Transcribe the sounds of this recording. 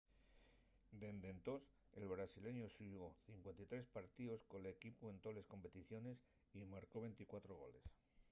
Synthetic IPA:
d̪e̞nd̪e̞nt̪o̞s | elβɾasile̞ɲosuɣo̞θiŋkwe̞nt̪it̪ɾe̞spaɾt̪iðo̞sko̞lekipue̞nt̪o̞lesko̞mpe̞t̪iθjo̞ne̞s | imaɾko̞β̞e̞jnt̪ikwat̪ɾo̞ɣ̞o̞̰le̞̰s

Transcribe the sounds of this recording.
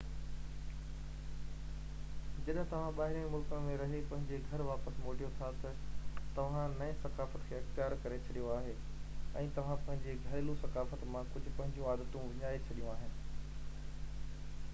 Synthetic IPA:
d͡ʑɐɗɦɪ̃t̪ɐʋ̤ãɓaːɦɪɾĩmʊlkənmẽɾɐɦepɐ̃ɦɪ̃ɲd͡ʑeɡʱɐɾʋaːpəsmoːʈijot̪ʰat̪ɐt̪ɐʋ̤ãnɐẽsɐkaːfət̪kʰeːɐxt̪ijaːɾkɐɾet͡ɕʰɐɗijoaːɦe | ɛ̃ːt̪ɐʋ̤ãpɐ̃ɦɪ̃ɲd͡ʑeɡʱɐːɪlũsɐkaːfət̪mãkʊd͡ʑʱʊ̆pɐ̃ɦɪ̃ɲd͡ʑjũaːd̪ət̪ũʋɪɲaːet͡ɕʰɐɗijũaːɦɪnɪ̆

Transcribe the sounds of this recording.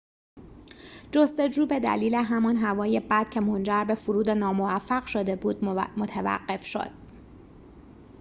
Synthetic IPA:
d͡ʒo̞st̪o̞d͡ʒuːbe̞d̪æ̰liːleɦæmɒnɦævɒːjebæd̪̥cʰe̞mo̞nd͡ʒæɾbe̞fuɾuːd̪enɒːmo̞væfːæɣʃo̞d̪e̞buːd̪mot̪ʰævæ̰ɢːe̞fʃo̰d̪̥

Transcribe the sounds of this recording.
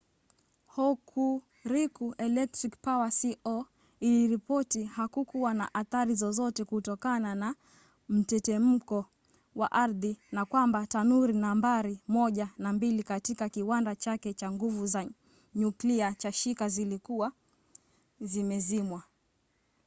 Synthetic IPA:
hɔkʰu | ɾikuʔɛlɛk̚tɾikpawasiʔɔ | iliɾipɔtihakukuwanaʔaθaɾizɔzɔtɛkutɔkanana | m̩tɛtɛm̩kɔ | waʔaɾðinakwambatanuɾinambaɾimɔʄanambilikatikakiwandat͡ʃakɛt͡ʃaŋɡuvuza | ɲukliat͡ʃaʃikazilikuwa | zimɛzimwa

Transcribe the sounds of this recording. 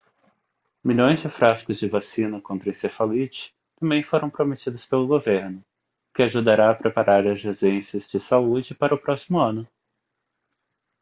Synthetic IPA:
miʎõj̃zd͡ʒɪfɾaskʊzd͡ʒɪvasĩnɐkõnt̪ɾɐ̃sefalit͡ʃɪ̥ | t̪ɐ̃mbẽj̃foɾɐ̃w̃pɾomet͡ʃid̪ɐspelʊɡoveɾnʊ | kɪaʒud̪aɾaɐpɾepaɾaɾɐzhezẽsɐzd͡ʒɪsaud͡ʒɪpaɾɐʊpɾɔsi̥mʊɐ̃nʊ

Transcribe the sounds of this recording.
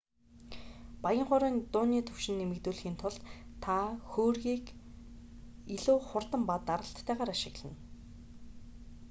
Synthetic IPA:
pajɪ̆ɴχʊːɾiːnt̪ʊːniːt̪ʰɵwʃɪ̆nːemɘ̆kt̪uːɮxiːnt̪ʰʊɮt̪t̪ʰaxoːrɣiːk | iɮuːχʊrt̪ə̆mpat̪ːaɾə̆ɬt̪ʰːæːʁaːɾaʃɪ̆ɣɮə̆n

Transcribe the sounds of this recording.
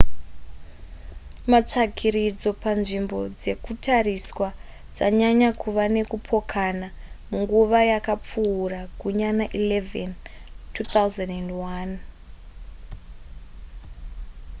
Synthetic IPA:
mat͡ʂakʰiɾid͡zo̞panʐimbo̞d͡ze̞kutʰariswa | d͡za̰ɲaɲakuʋane̞kupʰo̞kʰana | muŋɡuʋajakap͡fuːrakuɲanaʔilevḛntʰuːθauzandendwan

